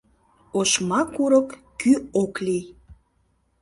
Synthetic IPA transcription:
oʃmɑkuɾəkː | yokli

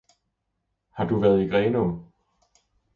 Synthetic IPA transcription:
hɑ̈d̥uʋæɐð̞ˠiɡ̥ʁɛːnɔm

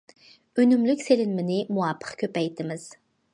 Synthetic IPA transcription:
ønymlykʲselɪnmɪnɪmuapʰːə̥qkʲʰøpæjt̪ʰɪmɪz̥

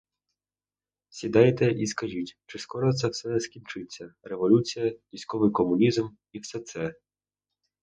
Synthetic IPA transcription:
sʲid̪ɑjet̪ɛʔiskɐʒitʲt͡ʃɪskɔɾɔt̪sɛwsɛskʲint͡ʃɪt͡sʲːɐɾeʋɔlʲut͡sʲijɐʋʲijsʲkɔʋɪjkɔmʊnʲizm | iwsɛt̪sɛ

